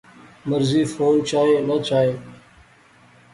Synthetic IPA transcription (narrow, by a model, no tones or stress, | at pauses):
məɾziːfoːnt͡ʃaːɦẽːnət͡ʃaːɦeː